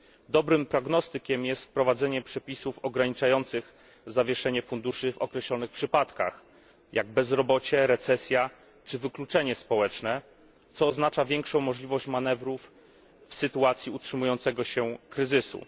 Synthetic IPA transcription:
d̪ɔbɾɘmpɾɔɡnɔst̪ɘkʲɛmjɛst̪fpɾɔvad̪zɛɲɛpʂɛpʲisufɔɡɾaɲit͡ʂajɔnt̪sɘɣ | zavʲjɛʂɛɲɛfund̪uʂɘvɔkɾɛɕlɔnɘxpʂɘpat̪ka̰x | jʔaɡ̚bɛzɾɔbɔt͡ɕɛɾɛt̪sɛsʲja | t͡ʂɘvɘklut͡ʂɛɲɛspɔwɛt͡ʂnɛ | t̪sɔːznat͡ʂavʲjɛŋkʂɔ̃w̃mɔʐlʲivɔɕt͡ɕmanɛvɾuf | fsɘt̪uat̪sʲjiutʂɘmujɔnt̪sɛɡɔɕɛkɾɘzɘsṵ

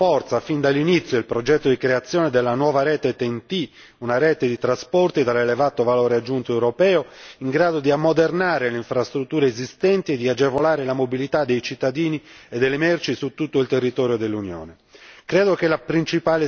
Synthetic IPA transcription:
ɔrt̪safind̪alːinit̪sːjoilpɾod͡ʒɛt̪ːod̪ikɾeat̪sːjɔːned̪elːanwɔːvaɾɛːt̪et̪ent̪i | unaɾɛːt̪ed̪it̪ɾaspɔrt̪id̪alelevaːt̪ovaloːɾead͡ʒːunt̪oewɾopɛːoiŋɡɾaːd̪od̪iamːod̪ernaːɾeleiɱfɾast̪ɾut̪ːuːɾeezist̪ɛnt̪ied̪ːiad͡ʒevolaːɾelamobilit̪ad̪ːejt͡ʃit̪ːad̪iːnied̪ːelːemɛrt͡ʃisut̪ːut̪ːoilt̪erːit̪ɔːɾjod̪elːunjɔ̰ːne | kɾɛːd̪okelapɾint͡ʃipaːle

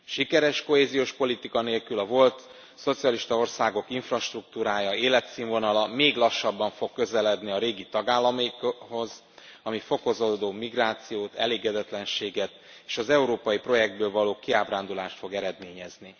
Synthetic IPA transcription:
ʃikɛɾɛʃko̞ɦeːzijoːʃpo̞lit̪ikɒneːlkylɒvo̞lt̪ | so̞t̪sijɒliʃt̪ɒo̞rsaːɡo̞kiɱfrɒʃt̪ruk̚t̪uːɾaːjɒeːlɛt̪siːɱvo̞nɒlɒmeːɡlɒʃːɒbːɒɱfo̞kːø̞zɛlɛd̪niɒɾeːɡit̪ɒɡaːlːɒmiho̞z | ɒmifo̞ko̞zod̪oːmiɡraːt̪sijoːt̪ɛ̰leːɡɛd̪ɛt̪lɛnʃeːɡɛt̪̚eːʃɒzɛuɾoːpɒjipro̞jɛɡd̪bøːlvɒloːkiaːbraːnd̪ulaːʃt̪fo̞ɡɛɾɛd̪meːɲɛzni

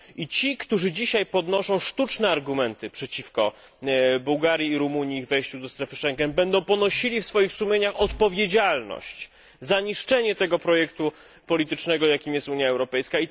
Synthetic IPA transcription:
it͡ɕikt̪uʐɘd͡ʑiɕajpɔd̪nɔʂɔ̃w̃ʂt̪ut͡ʂnɛaɾɡumɛnt̪ɘpʂɛt͡ɕifkɔ | buwɡaɾʲjiːɾumuɲiiɣvɛjɕt͡ɕud̪ɔst̪ɾɛfɘʂɛŋɡɛnbɛnd̪ɔ̃w̃pɔnɔɕilʲifsfɔjixsumʲjeɲaxɔt̪pɔvʲjed͡ʑalnɔ̰ɕt͡ɕ | zaɲiʂt͡ʂɛɲɛt̪ɛɡɔpɾɔjɛkt̪u | pɔlʲit̪ɘt͡ʂnɛɡɔjakʲimjɛst̪uɲjaɛwɾɔpɛjskai

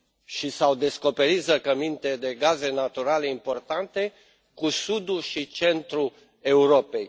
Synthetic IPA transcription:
ʃisawd̪e̞sko̞pe̞ɾit̪zəkəmint̪e̞d̪e̞ɡaze̞nat̪uɾale̞impo̞rt̪ant̪e̞ | kusud̪uʃit͡ʃe̞nt̪ɾu | e̞uɾo̞pe̞j

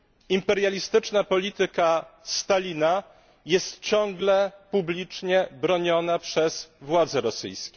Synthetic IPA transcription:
impɛɾjalʲist̪ɘt͡ʂnapɔlʲit̪ɘkast̪alʲina | jɛst̪t͡ɕɔŋɡlɛpublʲit͡ʂɲɛbɾɔɲɔnapʂɛzvwad̪zɛɾɔsɘ̰jskʲɛ

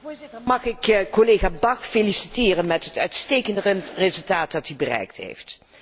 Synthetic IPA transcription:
mɑχɪkkːolejχaːbɑxfelisitɪːrənmɛtɦətœ̰ɥtstejkəndərezɵlˠtaːt̚dɑtybərɛ̰jk̚tɦḛjft

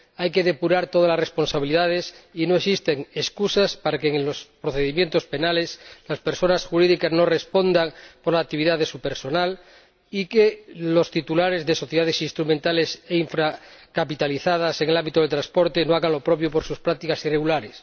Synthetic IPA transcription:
ajke̞ðe̞puɾaɾt̪o̞ð̞alasre̞spo̞nsaβiliðað̞e̞sino̞eksist̪eŋeskusaspaɾakeŋlo̞spɾoθeðimje̞nt̪o̞spe̞nale̞slaspeɾso̞nasxuɾiðikaznore̞spo̞nd̪aŋpoɾlakt̪iβ̞iðaðesupe̞ɾso̞nal | ikelo̞st̪it̪ulaɾe̞zðe̞so̞θjaðesinst̪ɾumẽnt̪ale̞seiɱfɾakapit̪aliθað̞ase̞ŋe̞lambit̪oð̞elt̪ɾanspo̞ɾt̪enoaɣanlo̞pɾo̞pjo̞po̞ɾsuspɾak̚t̪ikasire̞ɣulaɾes

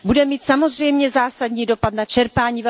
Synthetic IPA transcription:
budɛmiːt̪samo̞zr̝ɛjmɲɛzaːsadɲiːdo̞pat̪nat͡ʃɛɾpaːɲiːvɛ

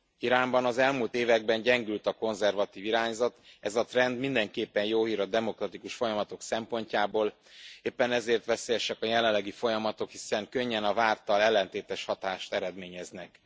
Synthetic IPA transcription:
iɾaːmbɒnɒzɛlmult̪eːvɛɡ̚bɛɲɟɛŋɡylt̪ɒko̞nzɛrvɒt̪iːviɾaːɲzɒt̪ɛzɒt̪rɛnd̪mind̪ɛŋkeːpːɛnjoːɦiːɾɒd̪ɛmo̞krɒt̪ikuʃfo̞jɒmɒt̪o̞ksɛmpo̞ɲcaːboːl | eːpːɛnɛzeːrt̪ʋɛseːjɛʃɛkɒjɛlɛlːɛɡifo̞jɒmɒt̪o̞khisɛŋkø̞ɲːɛnɒvaːrt̪ɒlɛlːɛnt̪eːt̪ɛʃhɒt̪aːʃt̪ɛɾɛd̪meːɲɛznɛk

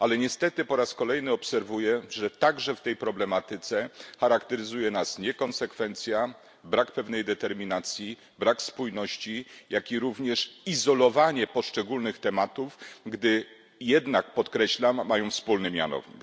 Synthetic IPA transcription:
ʔalɛɲɛst̪ɛt̪ɘpɔɾaskɔlɛjnɘɔpsɛɾvujɛʐɛt̪aɡʐɛft̪ɛjpɾɔblɛmat̪ɘt̪sɛxaɾakt̪ɛɾɘzujɛnasɲɛkɔnsɛkfɛnt̪sʲja | bɾakpɛvnɛjd̪ɛt̪ɛɾmʲinat̪sʲji | bɾakspujnɔɕt͡ɕijakʲiɾuvɲɛʂizɔlɔvaɲɛpɔʂt͡ʂɛɡulnɘxt̪ɛmat̪ufɡd̪ɘ | jɛd̪nakpɔt̪kɾɛɕlamːajɔ̃w̃fspulnɘmʲja̰nɔ̰vɲḭ

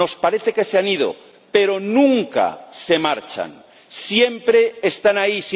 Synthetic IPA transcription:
o̞spaɾeθe̞ke̞seanið̞o̰ | pe̞ɾo̞nũŋka̰se̞maɾt͡ʃa̰n | sjempɾe̞ːst̪anais

